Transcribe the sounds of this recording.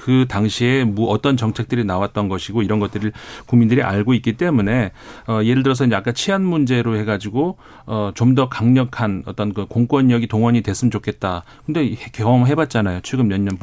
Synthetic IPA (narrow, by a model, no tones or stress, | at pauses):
kɯtaŋɕʰiemuʌt͈ʌnt͡ɕʌŋt͡ɕʰe̞k̚t͈ɯɾinawat̚t͈ʌnɡʌɕʰiɡoiɾʌnɡʌt͈ɯɾɯɭkuŋmːindɯɾiʔaɭɡoit̚k͈it͈e̞mune̞ʌie̞ɾɯɭt̬ɯɾʌsʰʌind͡ʑeak͈at͡ɕʰianmund͡ʑe̞ɾohe̞ɡad͡ʑiɡo | ʌt͡ɕomdʌkaŋɲʌkʰanʌt͈ʌnkɯkoŋk͈wʌɲːʌɡitoŋwʌɲidwe̞s͈ʰɯmt͡ɕokʰe̞t̚t͈akɯnde̞hkeʌmɦe̞bat̚t͡ɕ͈anajot͡ɕʰiɡɯmjʌnːʌn